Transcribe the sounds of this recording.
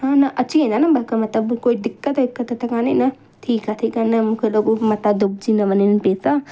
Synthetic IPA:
ɦãːnɐʔɐt͡ʃʰiɦẽnd̪aːnɐbɐlkɐmɐt̪lɐbkoːid̪ɪkːət̪d̪ɪkːɐt̪t̪ʰɐkaːnenɐ | t̪ʰiːkat̪ʰiːkanɐmũːkʰeloːɡomɐt̪ad̪ub̚d͡ʒinɐʋɐnenpeːsa

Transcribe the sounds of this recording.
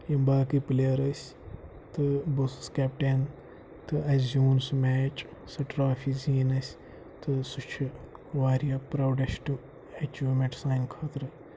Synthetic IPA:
jimbaːkɨplejɐɾɐsʲ | t̪ɨbusɨskɛːpʈeːn | t̪ɨɐszuːnsmɛːt͡ʃsɐʈɾaːfiziːnɐsʲ | t̪ɨsut͡ʃʰɨʋaːɾijapɾɐwɖɐsʈu | ɐt͡ʃuːmeʈsaːjnkʰaːt̪ɾɨ

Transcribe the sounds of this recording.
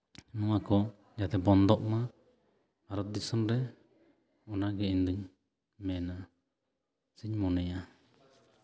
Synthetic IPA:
nɔŋakɔ | d͡ʒat̪ɛbɔnd̪ɔʔma | aɾɔt̪̚d̪isɔnɾɛ | ɔnaɡɛind̪ɯɲ | mɛna | siɲmɔnɛja

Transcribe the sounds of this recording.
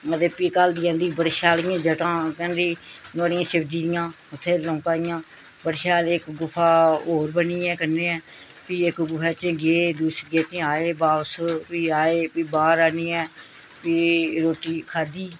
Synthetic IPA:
ət̪eːpiːkald̪iːãːnd̪iːbəɾʃaːlɪjãːd͡ʒəʈãːkɛ̃ːnɾiːnoːɽɪjãːsɪbd̪iːd̪ɪjãː | ʊt̪ʰːeːlɔ̃ːkaːɪjãː | bəɾʃaːlɪkɡʊpʰːaːoːɾbəniːɛːkənːeːɛː | piːɪkɡʊpʰɛːt͡ʃẽːɡeːd̪uːsɡeːt͡ʃẽaːeːbaːspiːaːeːpiːbaːɾaːniːɛː | piːɾoːʈːiːkʰaːd̪iː

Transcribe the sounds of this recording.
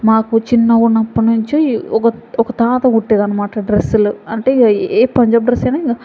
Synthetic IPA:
maːkut͡ʃinːɐɡuɳɐpːɐnuɲt͡ʃiɔkɐɔkɐt̪aːt̪ɐuʈːeːd̪ɐnːɐmaːʈɐɖɾesːuluɐɳʈeːeːpɐɲd͡ʒaːbɖɾesɐjnaːiɡɐ

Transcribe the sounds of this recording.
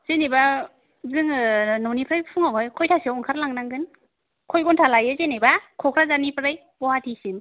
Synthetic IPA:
z̥eniba | zɯŋnɔwnipʰɾajpʰuŋawajkʰɔjtʰasiawɔŋkʰaɾlaŋnaŋɡɯn | kʰɔjɡɔntʰalajɯzenijbakʰɔkʰɾazanipʰɾɯj | bɔhatʰisim

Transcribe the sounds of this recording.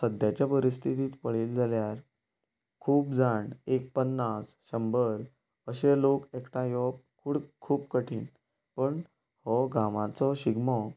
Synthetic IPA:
səd̪ʱjat͡ɕjapəɾist̪ʰit̪iːt̪pəɭeld͡zaljaɾ | kʰuːpd͡zaɳek̚pənːasɕəmbəɾ | əɕelokekʈãjɔb̚ | kʰuɽkʰuːpkəʈʰiːn | pəɳ | hɔɡamãt͡sɔɕiɡmɔ

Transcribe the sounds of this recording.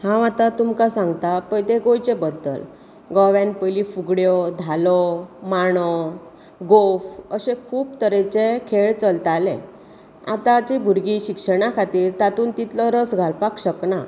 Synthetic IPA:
hãʋat̪at̪umkasãŋɡt̪apəjt̪eɡojt͡ɕebəd̪ːə̰l | ɡɔʋjɛ̃npəjlifuɡɽjɔd̪ʱalɔmaɽ̃ɔ | ɡofəɕekʰuːbt̪əɾet͡ɕekʰeɭt͡səlt̪alḛ | a̰t̪at͡ɕebʱuɾɡiɕikʂəɽ̃akʰat̪iːɾt̪at̪uːnt̪it̪lɔɾəsɡʱalpakɕəkna

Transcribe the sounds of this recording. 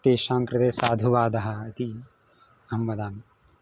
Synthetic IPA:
t̪eːʃãːŋkɾɐt̪eːsaːd̪ʱuʋaːd̪ɐɦɐːt̪i | ɐɐmʋɐd̪aːm

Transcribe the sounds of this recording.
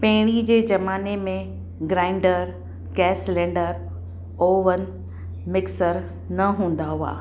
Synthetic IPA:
pɐɦɪɽ̃id͡ʑeːd͡ʑɐmaːnemẽ | ɡɾãːɪ̃ɳɖəɾ | ɡɛːslɛ̃ːɳɖəɾ | oːʋən̆ | mɪksəɾ | nɐɦũːn̆d̪aɦua̰ː

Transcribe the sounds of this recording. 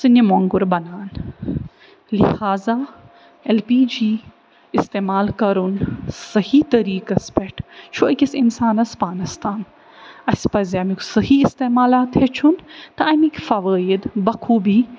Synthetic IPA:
sɨnimoŋɡuɾbɐnaːn | lihaːza | elpiːd͡ʒiː | ɪst̪eːmaːlkɐɾunsɐhit̪ɐɾiːkɐspɛʈʰt͡ʃʰuɐkʲɐsinsaːnɐspaːnɐst̪aːn | ɐspɐzeɐmikusɐɦiɪst̪eːmaːlaːt̪het͡ʃʰunt̪ɐɐmikfɐʋaːid̪bɐkʰuːbiː

